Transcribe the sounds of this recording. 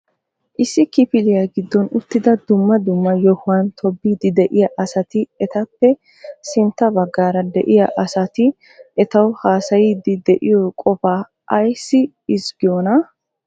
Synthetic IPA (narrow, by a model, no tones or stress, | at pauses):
ʔɪsːɪkɪfɪlɪjaɡɪd̪ːɔnʊt̪ːɪd̪ɐd̪ʊmːɐd̪ʊmːɐjɔhʊɐnt̪ʰɔbːiːd̪ɪd̪ɛʔɪjɐʔɐsɐt̪ɪɛt̪ɐpːɛ | sɪnt̪ːɐbɐɡːaːɾɐd̪ɛ̰ʔɪjɐʔɐsɐt̪ɪ | ʔɛt̪ɐwhaːsɐjiːd̪ɪd̪ɛʔɪjɔkʼɔfaː | ʔɐjsːɪ | ɪzɡɪjoːnɐ